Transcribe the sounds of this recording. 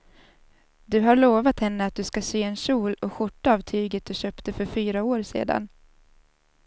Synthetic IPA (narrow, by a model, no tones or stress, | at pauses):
d̪ɵɦaɾɭoːvat̪hɛnːəat̪̚d̪ɵskaseːɛnɕuːlɔɧʊʈːaaːvt̪ʰyːɡət̪̚d̪ɵɕøːpt̪əfœɾfyːɾaoːɾsḛːd̪a̰n